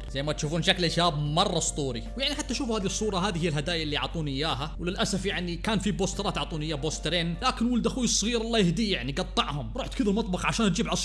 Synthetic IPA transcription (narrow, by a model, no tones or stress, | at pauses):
z̥ajːmat̪ʃuːfuːnʃaklɪʃaːb̚mɑrˤːɑsˤt̪ˤuːɾḭwjaʕniħat̪ːaʃuːfhaːðisˤːuːɾˤɑɦaːðihɪjːalɦad̪aːjaʔɪlːijɑ̰ʕt̪ˤuːnʔɪjːaːɦawlɪlʔasafjaʕnikaːnfiboːst̪ɾˤɑːt̪ʕɑʕt̪ˤuːnʔɪjːaːboːst̪ɾeːnlaːkɪnwʊld̪axuːjɪsˤːɣiːɾɑlˤːɑːjɪhd̪ijaʕniɡɑt̪ˤːɑʕhʊmɾˤuːħt̪kɪðalmɑt̪ˤbɑxʕaʃaːnd͡ʒiːbʕɑsˤ